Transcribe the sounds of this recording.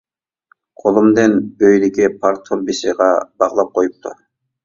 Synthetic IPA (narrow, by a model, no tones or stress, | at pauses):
qʰolˠumd̪enøjliɡʲɪpʰɑɾt̪ʰombisiʁɑb̥ɑʁlˠɑp̚qʰojup̚t̪ʰʊ̰